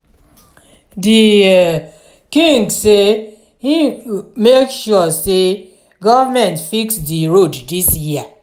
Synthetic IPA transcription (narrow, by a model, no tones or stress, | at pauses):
di | kĩŋɡse | himekʃuse | ɡɔvamɛ̃ntfiksdiɹoddisjia